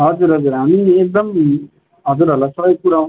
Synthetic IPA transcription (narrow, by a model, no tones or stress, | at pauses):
ɦʌd͡zuɾɦʌd͡zuɾɦamiek̚d̪ʌm | ɦʌd͡zuɾɦʌlasʌbʌjkuɾaũ